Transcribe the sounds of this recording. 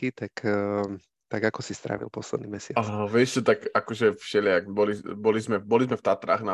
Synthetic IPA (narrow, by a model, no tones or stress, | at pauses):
it̪ak | t̪aɡakɔsist̪ɾa̰ʋḭlˠpɔslɛd̪nimɛsɪaaʋɛʃt̪ɔt̪akakɔʒɛfʃɛʎaɡbɔlibɔlizmɛbɔlizmɛft̪at̪ɾa̰ɣna